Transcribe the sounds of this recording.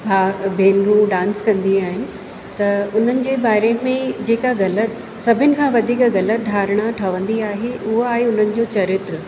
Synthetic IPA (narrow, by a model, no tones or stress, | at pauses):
bʱaːbʱeːnɾuɖãːnskɐ̃nd̪iaːɦɪnɪ̆ | t̪ɐʊn̤ənɪ̆d͡ʑeːbaːɪɾemẽd͡ʑeːkaɣɐlət̪ | sɐbʱɪnɪ̆kʰãːʋɐd̪ʱiːkɣɐlət̪̚ɖʱaːɾɪɽ̃aʈʰɐʋə̃nd̪iaːɦeʔʊɦoaːɦeʊn̤ənɪ̆d͡ʑoːt͡ɕɐɾɪt̪ɾə